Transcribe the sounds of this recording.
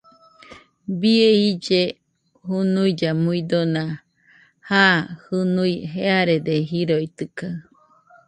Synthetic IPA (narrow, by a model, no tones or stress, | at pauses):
bieid͡ʒe | ɦunuid͡ʒamuid̪onã | haːhɨnuiɦeaɾed̪eɦiɾoit̪ɯka